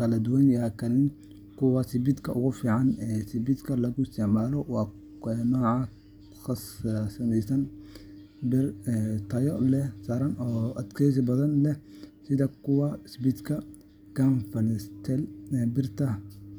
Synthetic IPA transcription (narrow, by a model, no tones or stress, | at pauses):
kɐlɐd̪ʊwɐnjakʰɐlɪn | kʰʊwɐsɪbɪd̪kʰɐʔʊɣʊfiːʕɑnɛsɪbɪd̪kʰɐlɐɣʊɪst̪ʰɛʕmaːlɔwɑː | ɛːnɔːʕɑ | xɐssɐmɛjsɐn | bɪrt̪ʰɐjɔlɛsaɾɐnɔːʔɐd̪kʰɛs̬ɪbɐðɐnlɛsɪðɐkʰʊwɐsbɪd̪kʰɐ | ɡ̥anfɐnst̪ʰɛlbɪrt̪ʰɐ